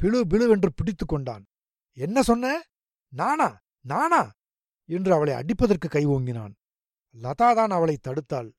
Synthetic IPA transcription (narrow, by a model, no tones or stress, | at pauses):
pɪɭɯbɪɭɯʋɛndrɯpɪɽɪt̪ːɯkːɔɳɖa̰ːn | ɛnːɐsɔnːɐ | naːnaː | naːnaː | ɛndrɯɐʋɐɭɐɪʔɐ̰ɽɪpːɐðɐrkɯkːɐɪʋoːŋɡɪna̰ːn | lɐðaːðaːnɐʋɐɭɐɪt̪ːɐɽɯt̪ːa̰ːl